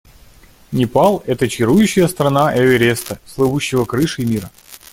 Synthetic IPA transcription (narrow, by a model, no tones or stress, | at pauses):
nʲɪpalˠɛt̪ət͡ɕɪɾujʉɕːɪjəst̪ɾɐnaʔɛvʲɪɾʲest̪əslˠɨvuɕːɪvəkɾɨʂɨimʲiɾə